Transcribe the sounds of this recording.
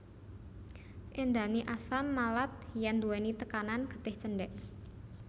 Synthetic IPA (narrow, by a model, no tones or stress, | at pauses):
ʔend̪aniʔasamːalat̪̚jand̪uwɛnit̪əkananɡ̥ə̤̥t̪ɪht͡ʃənɖɛʔ